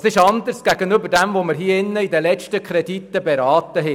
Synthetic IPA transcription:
sɪʃɑnd̪əɾsɡ̥æɡənʏbəɾdɛmvoməɾɦiːəɪnːəid̪əlɛt͡ʃtəkʰɾɛdit̪ːəbɛɾɑːt̪əɦɛ

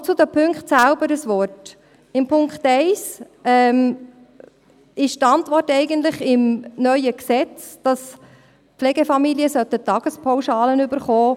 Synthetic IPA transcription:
t͡sud̪əpʰɵŋkχtsælbəɾəsʋɔrt | ɪmpʰʊŋkχtɛɪs | ɛm | ɪʃtɑntʋɔrtɛɪɡəntlɪχɪmnœʏəksɛt͡sd̥ɑs | plɛɡɛfɑmilijəsœt̪ət̪ːɑɡ̥əspʰɔʊʃɑːlənʏbəɾχɔː

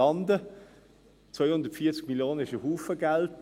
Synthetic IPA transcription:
ɑndə | t͡svœjhʊndətfiːɐt͡sɡ̥̚miljoːnənɪʃəɦuːfəɡalt

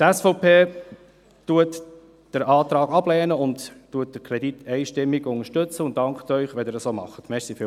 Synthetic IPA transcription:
tɛsfɔʊpʰeː | tuət | d̥əɾɑːt̪ɾɑːɡɑb̥lɛːnəʊnttːuət̚d̥əkʰɾɛd̥itʰɛɪʃtɪmːiɡʊŋəʃtɵt͡səʊntd̥ɑŋkχtœʏχʋɛndɪːɾəsoːmɑ̰χətmɛsifɪ

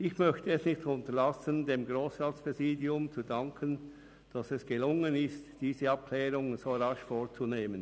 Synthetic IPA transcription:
ʔɪçmœçtəɛsnɪçtʊntəlasəndeːmɡʁoːsʁaːtspʁ̥ɛziːdiʊmt͡sudaŋkʰən | d̥ɑsɛsɡ̥əlʊŋənɪstd̥iːzəɑp̚kʰlɛːɾʊŋz̥oːɾɑʃfoːɾt͡suneːmən

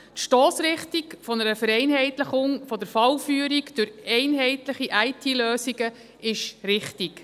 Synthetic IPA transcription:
tʃtoːsɾɪχtikfɔnəɾəfəɾɛɪnɦɛɪtləχʊŋfɔd̪əɾfɑlfyːɾiɡd̥ɵɾɛɪnɦɛɪtləχiʔæɪtʰiːløːsiɡə | ɪʃɾɪχtik

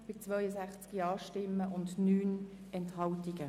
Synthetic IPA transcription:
b̥ɪt͡svœʏjəsæχt͡skiɑːʃtɪmːəʔʊndnyːn | ɛnthɑwtiɡ̥ə

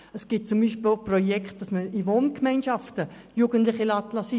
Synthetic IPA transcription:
əsɡ̥ɪt̚t͡sumbiːʃpilprɔjɛkχt̚d̥ɑsməiʋoːnkmaɪnʃɑftə | juɡəntlɪχilɑtlɑsi

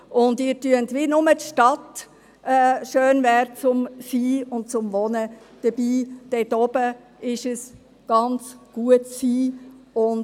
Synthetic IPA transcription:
ʔʊndɪːɾtyəntʋinʊmətʃtɑt | ɛːʃøːnvɛɾt͡sʊmsiːʊnt̚t͡sʊmʋɔnə | d̥əb̥iːd̥ɛtɔb̥ə | ɪʃəs | ɡ̥ɑnt͡sɡ̥uətsiːʊn

